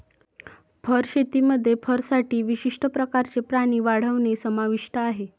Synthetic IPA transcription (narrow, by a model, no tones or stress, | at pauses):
pʰəɾɕet̪iːməd̪ʱːjepʰəɾsaʈiːʋiɕiʂʈəpɾəkaɾt͡sepɾaɽ̃iːʋaɽ̤əʋnesəmaʋiʂʈəaɦe